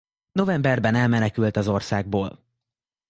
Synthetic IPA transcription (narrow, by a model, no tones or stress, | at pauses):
no̞vɛmbɛrbɛnɛlmɛnɛkylt̪ɒzo̞rsaːɡ̚boːl